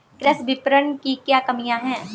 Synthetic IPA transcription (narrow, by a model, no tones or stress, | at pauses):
kɾɐsbɪpɾənkikjaːkɐmijãɦɛ̃ː